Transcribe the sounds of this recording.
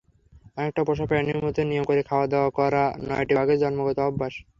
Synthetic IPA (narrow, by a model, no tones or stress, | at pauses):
ɔnek̚ʈapɔʃ̬apeaniɾmot̪onijomkoɾekʰaoad̪eoakɔɾanɔ̰jʈiaɡed͡ʑɔnmoɡɔt̪oɔbːaʃ